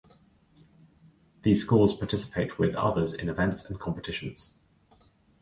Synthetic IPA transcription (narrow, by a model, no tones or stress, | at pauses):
ðiːz̥skɔːlˠz̥pʰɑːˑtʰɪsɪ̥pʰeɪʔwɪðʌ̰ðəzɪ̰̃nɪvɛ̃ntsə̃nkʰɒ̃mpətʰɪʃə̃nz̥